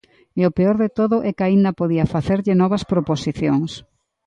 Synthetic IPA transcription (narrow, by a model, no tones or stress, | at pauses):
ɛopeoɾðet̪oðʊʔɛkaind̪ɐpoðiɐfaθeɾʎɪnɔβɐspɾoposiθjoŋs